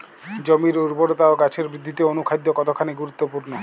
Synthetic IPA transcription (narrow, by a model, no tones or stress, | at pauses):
d͡ʑomiɾuɾboɾot̪aoɡat͡ɕʰeɾbɾid̪ʱːit̪eonukʰajd̪ʱːokɔt̪okʰaneɡuɾut̪ːopuɾno